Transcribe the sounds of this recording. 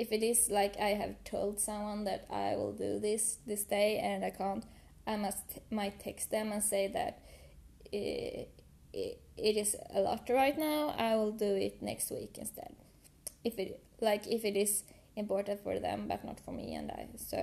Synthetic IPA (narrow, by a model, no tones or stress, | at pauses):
ɨfɨɾɪzlaɪkʰaɪɨ̰v̥tʰoʊlˠd̥sʌ̃mwʌ̃nðɨɾa̰ɪwɪ̰lˠdɨ̰ðɪsðɪsdeɪɨ̃naɪkʰæ̃nt | aɪmʌstmaɪt̪ʰːɛkst̪̚ðɨ̃mə̃nseɪðɨ̰ɾ | ɪɾɪzə̰lɔ̰tɹaɪtⁿnaʊa̰ɪwɪlˠdɨɪtnɛ̰kst̚wḭkɨ̰̃nstʰɛ̰d̥ | ɪfɪɾ | laɪkɪfɨɾɪz | ɪ̃mpɔɹtə̃n̩tfə̰˞ðɨ̰̃mbʌ̰tⁿnə̰tfə˞mḭɨ̰̃na̰ɪsoʊ